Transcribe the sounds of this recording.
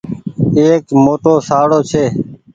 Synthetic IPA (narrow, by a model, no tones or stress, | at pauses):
eːkmoːʈoːsaːɽoːt͡ʃʰeː